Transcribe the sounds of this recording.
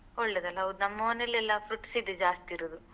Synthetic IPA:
oɭːed̪ɐlːɐɐd̪unɐmːɐʋɐnelːɛlːɐfɾuʈːsid̪ed͡ʒaːst̪iiɾud̪u

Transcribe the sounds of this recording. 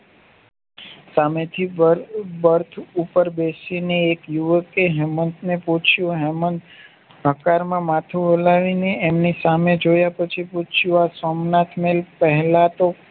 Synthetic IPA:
samet̪ʰi | bəɾt̪ʰupəɾbesineːkjuʋəkeɦɛmənt̪nepɔ̃t͡ʃʰjũɦɛmən | ɦəkaɾmãmat̪ʰũɦolaʋineemnisamed͡ʒojapət͡ʃʰipɔt͡ʃʰjuasɔmnat̪ʰmelpəɦɛlat̪o

